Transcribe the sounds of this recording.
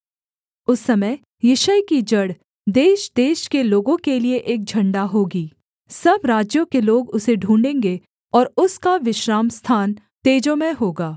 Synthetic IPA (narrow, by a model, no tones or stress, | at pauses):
ʊsːɐməj | jɪʃəjkid͡ʒɐɽ | d̪eːʃd̪eːʃkeloːɡõkelieʔeːk̚d͡ʒʱɐ̃ɳɖaɦoːɡiː | sɐbɾaːd͡ʒjõkeloːɡʊseɖʱũːɳɖẽːŋɡe | ɔːɾʊskaʋɪʃɾaːmst̪ʰaːn | t̪eːd͡ʒõmẽɦoːɡaː